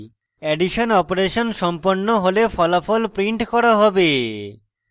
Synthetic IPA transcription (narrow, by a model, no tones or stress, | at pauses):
eɖiʃonɔpoɾeʃonʃɔmponːoɦolefɔlafɔlpɾiɳʈkɔɾaɦɔbe